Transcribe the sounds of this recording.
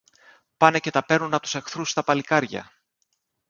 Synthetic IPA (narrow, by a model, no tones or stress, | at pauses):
pɐnece̞t̪ɐpe̞ɾnunɐpot̪use̞xθɾust̪ɐpɐlikɐɾʝɐ̰